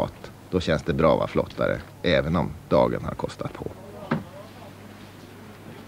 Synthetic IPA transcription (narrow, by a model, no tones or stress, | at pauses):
ɑːt̪ | d̪̥ɔɕɛnsd̪ɛbɾɑːvaflɔt̪ʰːaɾə | ʔɛːvənɔmd̪̥ɑːɡənhaɾkʰɔst̪ʰat̪̚pʰɔ